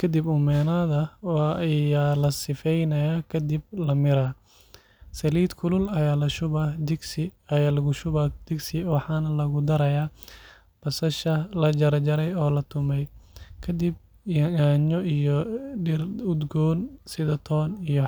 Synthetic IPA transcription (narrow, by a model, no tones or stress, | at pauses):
kʰɐd̪ibʊmɛːnaːðɐwɑjaːlɐsɪfɛjnɐjaːkʰɐd̪ib̚lɐmɪɾɐː | sɐliːd̪kʰʊlʊlɐjaːlɐʃʊβɐd̪ɪɡsɪɐjaːlɐɣʊʃʊβɐd̪̥ɪɡsɪwɑħɑːnɐlɐɣʊd̪ɐɾɐjaː | b̥ɐsɐʃɐlɐd͡ʒɐɾɐd͡ʒɐɾɛjɔːlɐt̪ʰʊmɛjkʰɐd̪ib̚ | jaːɲɔijɔɖɪrʊd̪ɡɔːnsɪðɐt̪ʰɔːnijɔ